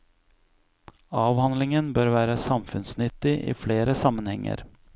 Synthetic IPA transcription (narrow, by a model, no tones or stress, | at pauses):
ɑːʋhɑnd̪lɪŋənbøːɾʋæːɾəsɑmfʉnsnʏt̪ːɪʔḭːfleːɾəsɑmənhɛŋːə̰ɾ